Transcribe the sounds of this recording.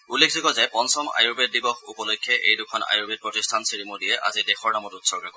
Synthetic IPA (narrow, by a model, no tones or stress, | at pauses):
ulːek̚ʰzikɔzɛpɔnsɔma̰jubɛt̚dibɔxupɔlojkʰːjɛʔejdʊkʰɔna̰jubɛt̚pɹɔtistʰansiɹimodijɛʔa̰zidɛxɔɹnamɔtutsɔɡɹakɔ